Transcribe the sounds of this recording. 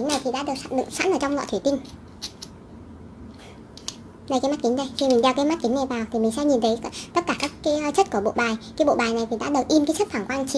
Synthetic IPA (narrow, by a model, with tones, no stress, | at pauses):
i˨˦ŋna˨˩jt̪ʰi˨˩ɗa̰ː˧˥ɗɨ˨˩ək̚ɗɨ̰˧˨ŋsa̰˧˥nʔəː˧˩t͡ɕɔ˧wŋ͡mlɔ̰˧˨t̪ʰwi˧˩t̪i˧ŋ̟ | n˧˩kaː˨˦jma˦˥t̚ki˨˦ŋ̟ɗə˧˩jxi˧mï˨˩ŋ̟ɗa˧wkaː˨˦ma˦˥t̚ki˨˦ŋ̟ŋa˨˩jvaː˨˩wt̪ʰi˨˩mï˨˩ŋ̟sɛ˧˥ɲi˨˩nt̪ʰə˨˦t̪ə˦˥t̚kaː˧˩kaː˦˥kːa˨˦˧t͡ɕə˦˥t̚ku˧˩əɓo̰˧˨ɓaː˨˩jkaː˨˦jɓo̰˧˨ɓaː˨˩jna˨˩jt̪ʰi˨˩ɗa̰ː˧˥ɗɨ˨˩ək̚ʔi˧mkaː˨˦jt͡ɕə˦˥t̚fʰaː˧˩ŋkwaː˧nt͡ɕi˨˦